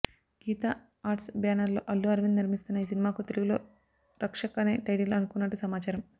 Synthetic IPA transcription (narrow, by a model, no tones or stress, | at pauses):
ɡ̥iːt̪a | aːɾʈsbjaːnɐɾlo̞̰ːʔɐlːuɐɾʋinniɾmist̪unːɐiːsinimaːkut̪eluɡulo̞ː | ɾɐkʂɐkɐneːʈɐjʈilɐnukunːɐʈːusɐmaːt͡ʃaːɾɐm